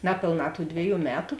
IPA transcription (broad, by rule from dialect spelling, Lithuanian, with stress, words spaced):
ˈnɑːpʲeːlˠˌnɑː tuː ˈdʲʋʲɪˌjuː ˈmʲæːtʊ